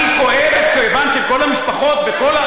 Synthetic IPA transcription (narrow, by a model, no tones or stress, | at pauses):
iko̞evet̪̚kojvanʃe̞ko̞lamiʃpaχo̞t̪veko̞la